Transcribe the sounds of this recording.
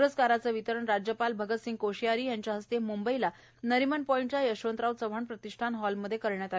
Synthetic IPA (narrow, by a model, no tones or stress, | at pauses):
ɾəskaɾat͡səʋit̪əɾəɳɾad͡ʑjəpalbʱəɡət̪siŋɡ̚koɕijaɾiːjaɲt͡ɕjaɦəst̪emumbəila | nəɾimənpɔiɳʈt͡ɕajəɕõnt̪ɾawt͡səʋ̤ʱəɳpɾət̪iʂʈʰanɦɔlməd̪ʱːjekəɾɳjat̪a